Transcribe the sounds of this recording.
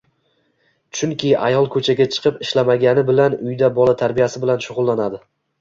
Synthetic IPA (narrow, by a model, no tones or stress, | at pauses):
t͡ʃʰʊŋkʲʰɪa̰jɒlˠkʰɵt͡ʃʰaɡʲat͡ʃʰɨ̥qʰɨpɪʃlamaɡʲanɪbɪlanʊjd̪abɒlat̪ʰaɾbijasɪbɪlanʃʊʁʊlˠːanad̪ɪ